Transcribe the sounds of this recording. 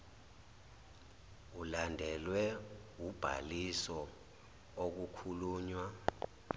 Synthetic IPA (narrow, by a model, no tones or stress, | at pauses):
ulandʱɛlwɛwub̥ʱa̰lisɔ | ok̬ukʰuluːɲwa